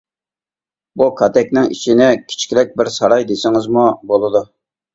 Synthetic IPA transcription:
bukʰɑt̪ɛkʲnɪŋḭt͡ʃʰinɪkʲʰi̥t͡ʃʰkʲɾɛk̚ʲbɪɾsɑɾɑjd̪esɪŋɪzmubolˠɨd̪u

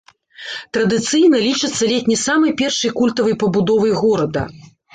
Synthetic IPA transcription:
t̪ɾɐd̪ɨt̪sɨjnɐlʲit͡ʂɨt̪sːɐlʲetʲnʲisamɐjpʲɛrʂɐjkulʲt̪ɐvɐjpɐbud̪ɔvɐjɣɔɾɐd̪ɐ̰

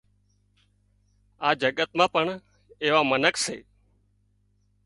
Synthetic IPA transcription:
aːd͡ʒəɠət̪mãːpəɳ | eːʋaːmənəksḛː

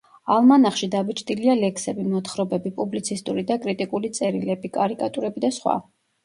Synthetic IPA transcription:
alˠmanaχʃid̪abit͡ʃʰt̪ʼilialɛkʰsɛbimɔt̪ʰχɾɔbɛbipʼublit̪sʰist̪ʼuɾid̪akʼɾit̪ʼikʼulit̪sʼɛɾilɛbikʼaɾikʼat̪ʼuɾɛbid̪asχwa̰

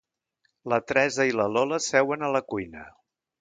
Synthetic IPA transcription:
lət̪ɾɛzəiləlɔləsɛwənələkujnə

